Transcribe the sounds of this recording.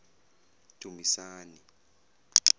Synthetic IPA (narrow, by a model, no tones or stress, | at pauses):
d̥ʱumisaːni